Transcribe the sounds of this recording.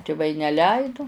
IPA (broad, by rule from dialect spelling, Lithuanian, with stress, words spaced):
tʲɪˈʋɐɪ nʲɛˈlʲɛɪdʊ